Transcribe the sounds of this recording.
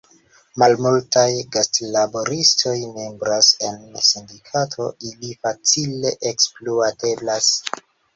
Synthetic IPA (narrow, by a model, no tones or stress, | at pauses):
malmultajɡastlabo̞ɾistʰo̞jme̞mbɾase̞nsindikʰatʰo̞ilifat͡sile̞ʔekspluate̞blas